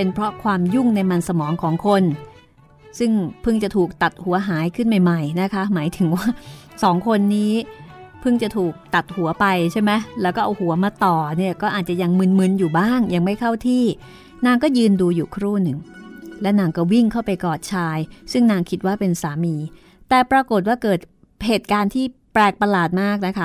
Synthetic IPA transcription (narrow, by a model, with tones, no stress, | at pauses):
pe˧npʰɾɔ˦˥kʰwaː˧mju˥˩ŋna˧jma˧nsa˧mɔː˩˦ŋkʰɔː˩˦ŋkʰo˧n | sɯ˥˩ŋpʰɯ˥˩ŋt͡ɕa˨˩t̪ʰuː˨˩k̚t̪a˨˩t̪̚hu˩˦ɐɦaː˩˦jkʰɯ˥˩nma˨˩jma˨˩jna˦˥kʰa˦˥maː˩˦jt̪ʰɯ˩˦ŋwaː˥˩sɔː˩˦ŋkʰo˧nːiː˦˥pʰɯ˥˩ŋt͡ɕa˨˩t̪ʰuː˨˩k̚t̪a˨˩t̪̚hu˩˦ɐpa˧jt͡ɕʰa˥˩mɛ˦˥lɛː˦˥wkɔː˥˩ʔa˧whu˩˦ɐmaː˧t̪ɔː˨˩ni˥˩ɐkɔː˥˩ʔaː˨˩t̪̚t͡ɕa˨˩ja˧ŋmɯ˧nmɯ˧njuː˨˩baː˥˩ŋja˧ŋma˥˩jkʰa˥˩wt̪ʰiː˥˩ | naː˧ŋkɔː˥˩jɯː˧nduː˧juː˨˩kʰɾuː˥˩nɯ˨˩ŋlɛ˦˥wnaː˧ŋkɔː˥˩wi˥˩ŋkʰa˥˩wpa˧jkɔː˨˩t̪̚t͡ɕʰaː˧jsɯ˥˩ŋnaː˧ŋkʰi˦˥t̪̚waː˥˩pe˧nsaː˩˦miː˧ | t̪ɛː˨˩pɾa˧ko˨˩t̪̚waː˥˩kɤː˨˩t̪̚ | heː˨˩t̪̚kaː˧nt̪ʰiː˥˩pɾɛː˧˩k̚pa˧laː˨˩t̪̚maː˥˩k̚na˦˥kʰa˦˥